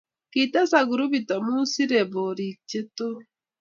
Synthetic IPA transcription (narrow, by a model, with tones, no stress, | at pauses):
ki˨ta˦sa˨ɡu˨ɾu˦bi˨tɔ˨mu˦si˦ɾe˨bo˨ɾi˨kt͡ʃe˦to˦